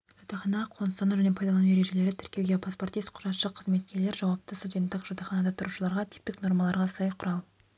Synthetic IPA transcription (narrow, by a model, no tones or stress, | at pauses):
ʒ̥ot̪ɑχɑnqʰo̞nəsɑnuʒæne̞pʰɑjd̪ɑlˠɑnueɾe̞ʒe̞le̞ɾɪt̪ʰʏ̥ɾkʲe̞wɡʲe̞pʰaspo̞rt̪ijst̪̚qʰʊ̥ʒɑt̪ʃəqʰːəzme̞t̪̚kʲe̞ɾle̞ɾʒɑwɑp̚t̪əst̪ud̪ʲe̞nt̪ːɪqʒot̪ɑχɑnɑd̪ɑt̪ʰʊɾuʃəlˠɑɾʁɑt̪ʰɪ̥p̚t̪ɪkno̞ɾmɑlˠɑɾʁɑsɑjqʰʊɾɑlˠ